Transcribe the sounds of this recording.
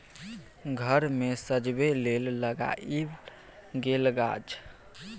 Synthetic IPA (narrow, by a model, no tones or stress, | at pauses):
ɡʱəɾmesəd͡ʒbelelːəɡa̰ʔi | ɡelɡa̰t͡ʃʰ